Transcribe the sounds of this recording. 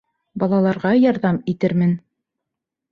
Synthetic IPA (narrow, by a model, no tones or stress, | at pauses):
bɑlˠɑlˠɑɾʁɑjɑɾðɑmit̪ɘɾmɘn